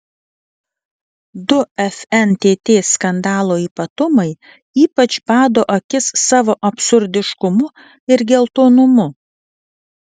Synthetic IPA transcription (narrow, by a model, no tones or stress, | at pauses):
d̪ʊɛfʲɛnt̪ʲeːt̪ʲeːskɐnd̪ɑːlˠoːiːpɐt̪ʊmɐɪ | iːpɐt͡ʃbɑːd̪oːʔɐkʲɪsːɑːʋoːʔɐpʲsʊɾʲd̪ʲɪʃkʊmʊ | ɪɾɡʲɛlˠt̪oːnʊmʊ